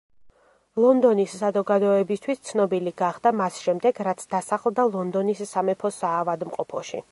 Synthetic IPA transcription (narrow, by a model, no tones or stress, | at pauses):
lˠɔnd̪ɔnisːazɔɡad̪ɔɛbist̪ʰwist̪sʰnɔbiliɡaχd̪amasʃɛmd̪ɛɡɾat̪sʰd̪asaχlˠd̪alˠɔnd̪ɔnisːamɛpʰɔsaːvad̪mqʼɔpʰɔʃḭ